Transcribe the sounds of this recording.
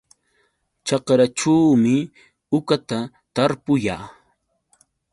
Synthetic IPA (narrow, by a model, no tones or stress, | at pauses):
t͡ʃɑqɾaʈ͡ʂaːmɪ | ʊkat̪a | t̪aɾpʊjaː